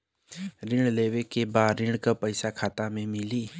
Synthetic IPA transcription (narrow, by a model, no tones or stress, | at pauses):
ɾɪ̃ɽleːʋekebaːd̪ɾɪ̃ɽ̃kapəɪsakʰaːt̪amẽmɪliː